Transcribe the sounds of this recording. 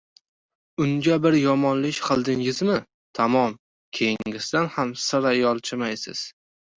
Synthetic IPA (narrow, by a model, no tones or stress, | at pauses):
ʊŋɡʲabɪɾjɒmɒnlɪʃʲqʰɨlˠd̪ɪŋɪzmɪ | t̪ʰamɒm | kʲʰe̞jɪŋɪsd̪anhamsɪɾajɒlˠt͡ʃʰɪmajsɪ̰z̥